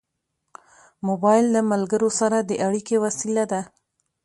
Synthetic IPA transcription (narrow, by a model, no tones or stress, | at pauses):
mobɑjɪlːamalɡəɾosaɾad̪əʔaɽikewasilad̪a